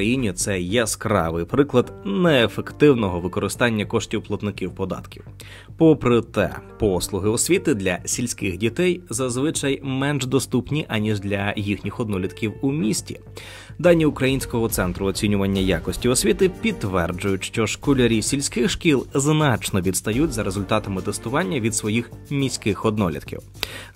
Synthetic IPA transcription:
kɐjinʲit̪sɛjɛskɾɑ̰ʋɪjpɾɪklˠɐd̪nɛːfekt̪ɪwnɔɦɔʋɪkɔɾɪst̪ɑnʲːɐkɔʃtʲiwplˠɐt̪nɪkiwpɔd̪ɑ̰t̪kʲiw | pɔpɾɪt̪ɛ̰pɔslˠʊɦɪɔsʲʋʲit̪ɪd̪lʲɐsʲilʲsʲkɪxdʲit̪ɛjzɐzʋɪt͡ʃɐjmɛnʒd̪ɔst̪upnʲiʔɐnʲiʒd̪lʲɐjixnʲixɔd̪nɔlʲid̪kʲiwumʲisʲtʲḭ | d̪ɑnʲːiʊkɾɐjinʲsʲkɔɦɔt̪sɛnt̪ɾʊɔt͡sʲinʲʊʋɐnʲːɐjakɔsʲtʲiɔsʲʋʲit̪ɪpʲid̪t̪ːʋɛrd͡ʒʊjʊtʲʃt͡ʃɔʃkɔlʲɐɾʲisʲilʲsʲkɪxʃkʲilˠznɑt͡ʃnɔʋʲid̪st̪ɐjutʲzɐɾe̞zʊlʲt̪ɑt̪ɐmɪt̪est̪ʊʋɑnʲːɐʋʲid̪sʋɔjixmʲisʲkɪxɔd̪nɔlʲḭd̪kʲḭw

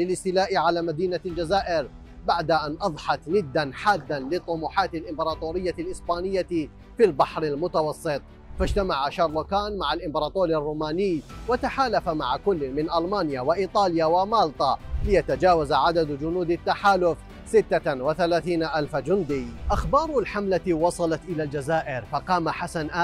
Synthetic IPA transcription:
lɪlɪst̪ɪlaːʔɪʕalaːmad̪iːnald͡ʒazaːʔɪɾ | baʕd̪aʔanʔɑðˤħɑt̪nɪd̪ːanħaːd̪ːanlɪt̪ˤːʊmuːħaːt̪alʔɪmbɑɾˤɑːt̪ˤuːɾɪjːalʔɪsbaːnɪjːa | filbɑħɾɪlmʊt̪awɑsˤːɨt̪ˤ | fad͡ʒt̪amaʕaʃɑɾˤlʊkaːnmaʕalʔɪmbɑɾˤɑːt̪ˤoːɾirˤːuːmaːnɪjwat̪aħaːlafamaʕakʊlːmɪnʔalmaːnjawɪʔiːt̪ˤɑːljawamaːlt̪ˤalɪjat̪ad͡ʒaːwazaʕad̪ad̪d͡ʒʊnuːd̪at̪ːaħaːlʊf | sɪt̪ːawɪθalaːθiːnaʔalfad͡ʒʊnd̪ɪʔaxbɑːɾˤʊlħamlawɑsˤɑlɑt̪ʔɪlaːld͡ʒazaːʔɪɾfɑqɑːmaħasanʔaː

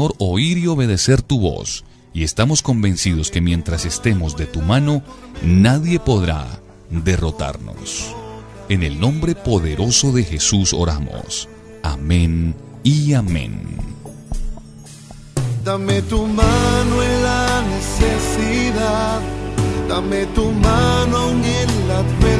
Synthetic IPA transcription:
oɾo̞iɾio̞βe̞ð̞e̞se̞ɾt̪uβo̞̰s | ie̞st̪amo̞sko̞mbe̞nsið̞o̞ske̞mjẽ̞nt̪ɾase̞st̪e̞mo̞zd̪e̞t̪umano̞naðje̞po̞ðɾa̰ | d̪e̞ro̞t̪a̰ɾno̞̰s | e̞ne̞lnõ̞mbɾe̞po̞ðe̞ɾʔo̞so̞ðe̞xe̞suso̞̰ɾa̰mo̰s | a̰mẽn | iamḛ̃n | d̪amet̪umanoenlanesesiðaðd̪amet̪umanoawnenlape

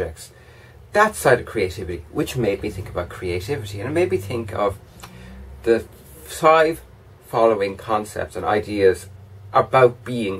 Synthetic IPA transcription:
ɛk̚ts | ðətsaɪɾəv̥kʰɹ̥ieɪtʰɪvɪtiwɪt͡ʃmeɪbiθɪ̃ŋkəbaʊt̚kʰɹ̥ieɪtʰɪvɪtiə̃nmeɪbiθɪ̃ŋkʰəv | ðə | faɪv̥ | fɑloʊɪ̃ŋkʰɒ̃nsɛ̰p̚tsə̃na̰ɪdiəzʔəbaʊt̚b̥iːɪ̃ŋ

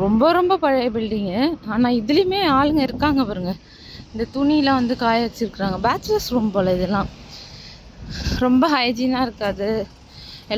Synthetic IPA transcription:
ɾɔmbɐɾɔmbɐpɐɻɐɐpɛɽɖiːŋɡɐaːnãːɪðɪlɪjmeːaːlɯŋɡɐɪɾɯkːaːŋɡɐpɐɾɯŋɡɐ | ɪnd̪ɐt̪ʊɳijɪlɐ̃ʋɐnd̪ɯkaːjɐʋɐt͡ʃːɪɾɯkːɪɾaːŋɡɐbaːtɾɐsɾɔmbɐpɐlɐɪðɛlːãː | ɾɔmbɐɐjd͡ʒinaːɪɾɯkːaːðɯ | ɛ

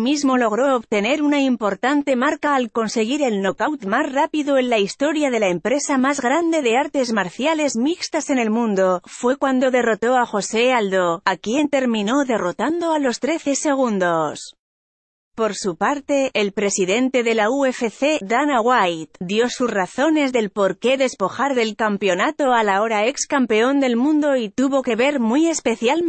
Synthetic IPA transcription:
mizmo̞lo̞ɣ̞ɾo̞oβt̪e̞ne̞ɾunaimpo̞ɾt̪ant̪e̞maɾkaːlko̞nse̞ɣ̞iɾe̞lno̞kawt̪mazrapiðoe̞nlaist̪o̞ɾjaðe̞lae̞mpɾe̞samazɣɾand̪e̞ðe̞aɾt̪e̞zmaɾθjale̞zmikst̪ase̞ne̞lmũnd̪o̞fwe̞kwand̪o̞ðe̞ro̞t̪o̞axo̞se̞ald̪oakje̞nt̪e̞ɾmĩno̞ðe̞ro̞t̪and̪o̞alo̞st̪ɾe̞θe̞se̞ɣ̞und̪o̞s | po̞ɾsupaɾt̪e̞ːlpɾe̞siðe̞nt̪e̞ðe̞laue̞fe̞θe̞ðanaɣwajt̪d̪jo̞susraθo̞ne̞zðe̞lpo̞ɾke̞ðe̞spo̞xaɾðe̞lkampeo̞nat̪o̞alao̞ɾae̞kskampe̞o̞nd̪e̞lmũnd̪o̞it̪uβo̞ke̞βe̞ɾmwie̞spe̞θjal

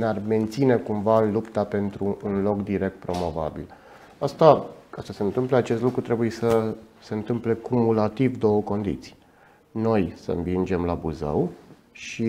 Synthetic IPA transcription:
nearme̞nt̪sine̞kumvaɨnlupt̪ape̞nt̪ɾuːnlo̞kd̪iɾe̞k̚t̪̚pɾo̞mo̞va̰bḭl | ast̪akasəse̞ɨnt̪ɨmpleat͡ʃe̞st̪lukɾut̪ɾe̞buje̞səse̞ɨnt̪ɨmple̞kumulat̪ivd̪o̞wəko̞nd̪ḭt̪si̥j | no̞jsə̰nvind͡ʒe̞mlabuzə̰w | ʃi

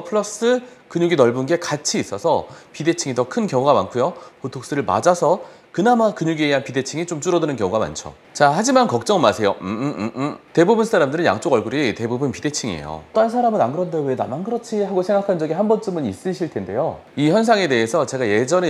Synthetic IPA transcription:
pʰɯɭʌs͈ɯkɯɲuɡinʌɭbunɡe̞kat͡ɕʰiːs͈ʌsʰʌpide̞t͡ɕʰiŋitʌkʰɯnkjʌŋuɡama̰nkʰujopotʰok̚s͈ɯɾɯɭma̰d͡ʑasʰʌ | kɯnamakɯɲuɡieiɦanpide̞t͡ɕʰiŋit͡ɕomt͡ɕ͈uɾʌdɯnɯnkjʌŋuɡama̰nt͡ɕʰo̰ | t͡ɕahad͡ʑimankʌk̚t͡ɕ͈ʌŋɯɭmasʰe̞jo | te̞bubunsʰaɾamdɯɾɯnja̰ŋt͡ɕ͈oɡʌɭɡuɾite̞bubɯnpide̞t͡ɕʰiŋiḛjo̰t͈oansʰaɾamɯnanɡɯɾʌndawedamanɡɯɾʌt͡ɕʰiɦaɡosʰeŋɡakʰand͡ʑʌɡihambʌnt͡ɕ͈ɯmɯnis͈ɯɕʰiɭtʰe̞nde̞jo | içjʌnsʰaŋe̞de̞esʰʌt͡ɕe̞ɡaje̞d͡ʑʌne

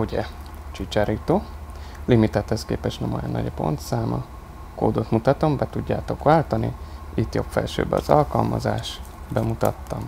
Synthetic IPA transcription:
uɟɛ | t͡ʃit͡ʃaɾit̪oːlimit̪ɛt̪hɛskeːpɛʃnɛmojonːɒɟɒpo̞̰nt̪saːmɒ | koːd̪o̞t̪mut̪ɒt̪ombɛt̪uɟːaːt̪o̞kʋaːlt̪ɒnḭit̪jo̞pfɛlʃøːbɛɒzɒlkɒlmɒzaːʃ | bɛmut̪ɒt̪ːɒm

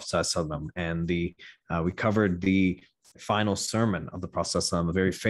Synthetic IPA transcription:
sɛsʌvðə̃mɨ̃nðɨwikʰʌvə˞d̪̚ðɨ | fãɪ̃nl̩ˠsɜ˞mɨ̃nʌ̰vðəpʰɹ̥ɑsɛsə̃mðəvɛɹife

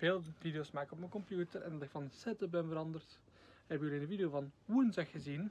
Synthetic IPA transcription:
v̥eːlˠvideosmaːkɪkɔp̚mənkɔmpjuːtəɾɛndɑtɪkfɑnsɛtəbɛnvəɾɑndərt | ɛbɪkjyliɪndənvideovɑnwunzɛxxəzin

